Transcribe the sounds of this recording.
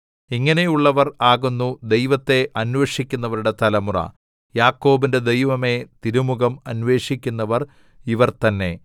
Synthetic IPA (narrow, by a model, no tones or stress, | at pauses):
iŋːɐne̞juɭːɐʋɐraːɣunːud̪e̞jʋɐt̪ːe̞ʔɐnʋeʂikʲːun̪ːɐʋɐɾuɽe̞t̪ɐlɐmurɐ̰ | jaːkːo̞ːbinde̞d̪e̞jʋɐme̞t̪iɾumuɣɐmɐnʋe̞ːʂikʲːunːɐʋɐr | iʋɐrt̪ɐnːe̞